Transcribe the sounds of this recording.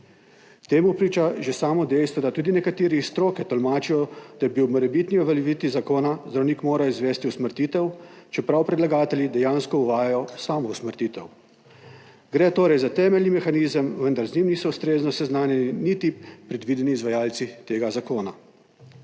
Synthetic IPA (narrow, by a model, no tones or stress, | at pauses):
t̪eːmupɾiːt͡ʃaʒesaːmɔd̪ɛjst̪ʋɔd̪at̪uːd̪inɛkat̪eːɾist̪ɾoːkɛt̪ɔlmaːt͡ʃijɔd̪̥ajɛbiwmɔɾɛbit̪niɔʋɛlɛʋit̪izakoːnazd̪ɾɐwniːkmoːɾaizʋɛːst̪iusməɾt̪iːt̪ɛwt͡ʃɛpɾawpɾɛd̪laɡaːt̪ɛljid̪ɛjaːnskɔuʋaːjajɔsaːmɔusməɾt̪iːt̪ɛw | ɡɾɛːt̪oːɾɛjzat̪ɛːmɛlnimɛxaniːzəmʋənd̪aɾznimniːsɔust̪ɾeːznɔsɛznaːnjɛninit̪ipːɾɛd̪ʋiːd̪ɛniːzʋajaːlt̪sit̪eːɡazakoːna